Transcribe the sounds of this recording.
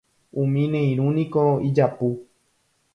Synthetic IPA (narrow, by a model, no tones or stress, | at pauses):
ũmĩnẽĩɾ̃ũnĩkoid͡ʒapu